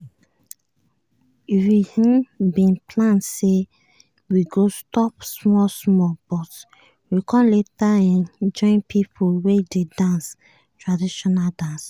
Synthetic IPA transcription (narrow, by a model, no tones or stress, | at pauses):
ifwihĩmbĩnpʰlãnse | wiɡostɔpsmɔsmɔb̥ɔt | wikʰɔ̃mletaɛ̃nd͡ʒɔ̃ɪ̃npʰipʰuwededãns | tɹadiʃɔnadãns